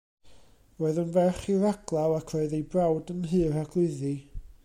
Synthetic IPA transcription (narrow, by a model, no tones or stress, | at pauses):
woɨðʊnvɛχiraɡ̥lˠawˠakʰrɔɨðejbrawdənɦɨːraɡ̥lˠɨði